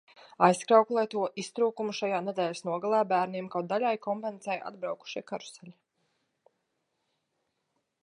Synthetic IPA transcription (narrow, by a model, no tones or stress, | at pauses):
ajskɾawkulˠɛjt̪uɔʔist̪ɾuːkumuʃajaːned̪ɛːlʲsnuɔɡalˠaːbæːɾniɛmkaw̪d̪alʲajkɔmpɛnsɛjʔa̰d̪̚bɾawku̥ʃiɛkaɾu̥sɛlʲi